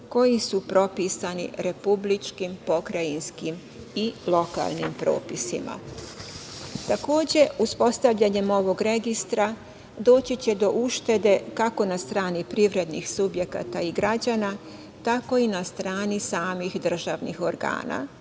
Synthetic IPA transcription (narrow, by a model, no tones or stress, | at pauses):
ko̞jisupɾo̞pisanḭɾe̞publit͡ʃkimpo̞kɾainskim | ilˠo̞ka̰lˠnimpɾo̞̰ːpisḭma̰ | t̪ako̞ːd͡ʑe̞uspo̞st̪aʋʎaɲe̞mo̞ʋo̞ɡɾe̞ɡist̪ɾa | d̪o̞ːt͡ɕit͡ɕe̞d̪o̞ʔuʃt̪e̞d̪e̞kako̞nast̪ɾaːnipɾiʋɾe̞d̪nḭxsubje̞ka̰t̪aiɡɾad͡ʑana | t̪ako̞inast̪ɾaːnisaːmixd̪r̩ʒaʋnḭxo̞ɾɡa̰ːna̰